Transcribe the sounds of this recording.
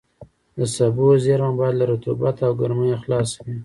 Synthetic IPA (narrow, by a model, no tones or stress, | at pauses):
d̪əsabuzeɾmambɑjad̪laɾat̪ubat̪awɡaɾməjoxlɑswi